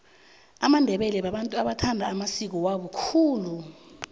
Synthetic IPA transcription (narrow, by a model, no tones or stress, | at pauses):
amandʱɛɓɛlɛɓaɓantʼuaɓatʰandʱaːmasik̬ɔwaɓɔkʰuːlu